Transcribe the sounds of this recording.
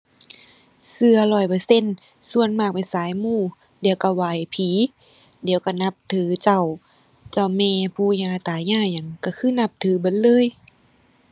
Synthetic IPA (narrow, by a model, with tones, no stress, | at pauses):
sɯ˧ɐlɔː˧˩jpɤː˧˩˦se˧˨n | su˧˨ənmaː˧˩k̚pa˨jsaː˨˦jmuː˧˩ | diː˨˦wka˧˩waː˨˩jpʰiː˨˦ | di˨˦ə˦wka˧˩na˧˦p̚t̪ʰɯː˨˦t͡ɕa˧˩˨w | t͡ɕa˧˩wmɛː˧˩pʰuː˧˩ɲaː˧˩t̪aː˨˦ɲaː˧˩ɲa˧˩ŋka˧˩kʰɯː˧˥˨na˧˥p̚t̪ʰɯː˨˦bɤ˨˦nlɤː˧˥˨j